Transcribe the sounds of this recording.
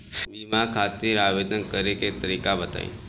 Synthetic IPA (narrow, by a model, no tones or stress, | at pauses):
bimakʰaːt̪iːɾaːʋeːd̪ənkəɾeket̪əɾiːkabət̪a̰ːḭ̃